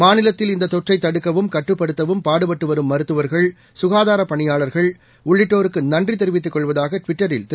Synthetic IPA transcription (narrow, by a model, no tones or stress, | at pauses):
maːnɪlɐt̪ːɪlɪnd̪ɐt̪ɔʈrɐɪt̪ːɐɽɯkːɐʋɯmkɐʈːrɯpːɐɽɯt̪ːɐʋɯmpaːɽɯpɐʈːɯʋɐɾɯmːɐɾɯt̪ːɯʋɐɾɣɐɭ | sʊɣaːðaːɾɐpːɐɳɪjaːɭɐɾɣɐɭ | ʊɭːɪʈːoːɾɯkːɯnɐndrit̪ɛɾɯʋɪt̪ːɯkːɔɭʋɐðaːɣɐʈʋɪʈːɐɾɪlt̪